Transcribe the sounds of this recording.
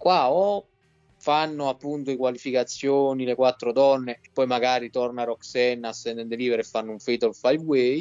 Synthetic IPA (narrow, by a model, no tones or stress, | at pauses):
kwaɔ | fanːoapːunt̪oikwalifikat̪sːjoːnilekwat̪ːɾod̪ɔnːeepːɔjmaɡaːɾit̪ɔrnarɔksɛnːasːɛnd̪end̪eliːveɾefːanːouɱfejt̪olfajwɛj